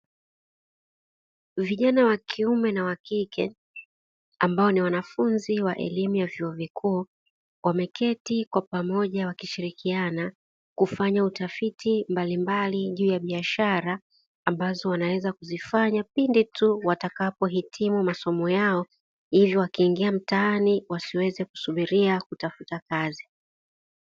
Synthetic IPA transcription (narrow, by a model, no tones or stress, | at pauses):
viʄanawakʰiumɛnawakikʰɛ | ambaɔniwanafunziwaʔɛ̰limujavjuɔvikʰuː | wamɛkʰɛtikwapamɔʄawakiʃiɾikiana | kufaɲautafitimbalimbaliʄuːjaɓiaʃaɾaː | mbazɔwanawɛzakuzifaɲapinditʰuwatakapɔɦitʰimumasɔmɔjaɔ | hivjɔwakiːŋɡiam̩taaniwasiwɛzɛku̥suɓiɾiakutafutakazi